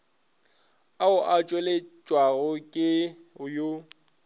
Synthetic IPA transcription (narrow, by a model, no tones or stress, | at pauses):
aʊʔat͡ʃʼwɛlɪt͡ʃʼwaɣʊkʼɪʊjo